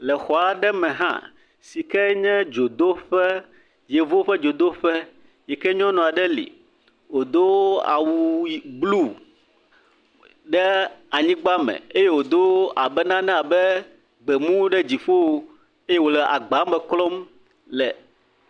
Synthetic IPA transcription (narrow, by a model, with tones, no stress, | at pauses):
lɛ˨xɔ˨a˨ɖɛ˦mɛ̃˨ɦã̰˦ | si˨kɛ˦ɲɛ̃˦d͡ʒo˨d̪o˦ɸɛ˦ | je˨vo˦ɸɛ˦d͡ʒo˨d̪o˦ɸɛ˦ | jɛ˨kɛ˦ɲɔ̃˦nɔ̃˨a˨ɖɛ˦lḭ˨ | wo˨d̪o˦a̰˨wu˨˦blu˦˨ | ɖɛ˦a˨ɲĩ˦ɡ͡ba˦mɛ̰̃˨e˦je˦wo˨d̪o˦a˨bɛ˦nã˦nɛ̃˦a˨bɛ˦ | ɡ͡bɛ˨mũ˦ɖɛ˦d͡ʑi˨ɸo˦ | e˦je˦wo˨lɛ˨ʔa̰˨ɡ͡ba˨˦mɛ˨klɔ˦m | lɛ˨